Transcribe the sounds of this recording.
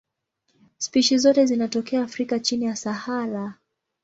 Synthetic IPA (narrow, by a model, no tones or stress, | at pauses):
spiʃizɔtɛzinatɔkɛaːfɾikat͡ʃinijasahaɾa